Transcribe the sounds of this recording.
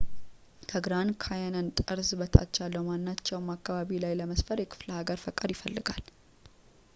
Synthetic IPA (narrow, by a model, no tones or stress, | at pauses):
t̪ʰəɡɾankʰajanənt̪ʼəɾsbət̪ʰa̰t͡ʃːalːəwmanːat͡ʃːɛwmakːaβaβilajləməsfəɾjɛkʰɨ̥fləhaɡəɾfəkʼəɾjɪfəlːɨɡal